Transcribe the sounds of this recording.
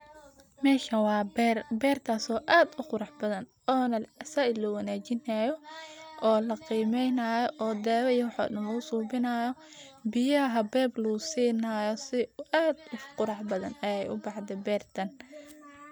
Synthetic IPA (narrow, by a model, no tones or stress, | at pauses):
mɛːʃɐwɑːbɛrbɛːrt̪ʰaːsɔːʔaːd̪ʊqʊɾɑħbɐðɐn | ɔːnɐsɐʔɪlɐwɑnaːt͡ʃɪnajɔʔɔːlɐqiːmɛjnaːjɔʔɔːd̪ɛːwɛjɐwħɔ̰dɐnlɐʊsuːbɪnaːjɔ | bɪjɐɦɐbɛːblusiːnaːjɔsɪaːd̪ʊqʊɾɑħbɐðɐnɛjɛjʔʊbɑʕd̪ɛbɛːrt̪ʰɐn